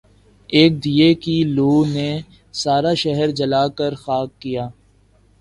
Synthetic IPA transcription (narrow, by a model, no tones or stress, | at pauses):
eːk̚d̪ijekiloːne | saːɾaʃɛɦəɾd͡ʒɐlaːkəɾxaːkːijaː